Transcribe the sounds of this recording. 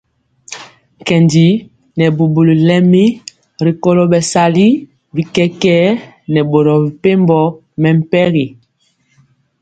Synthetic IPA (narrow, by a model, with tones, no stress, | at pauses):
ŋ˨kɛ˨ndi˨˦ | nɛ˨bu˨bu˨li˨lɛ˦mi˦ | ɾi˨kɔ˦lɔ˦ɓɛ˨sa˨li˦ | bi˨kɛ˦kɛ˦ | nɛ˨ɓo˨ɾɔ˨bi˨pe˦mbɔ˦ | mɛ˨m̩˦pɛ˦ɣi˨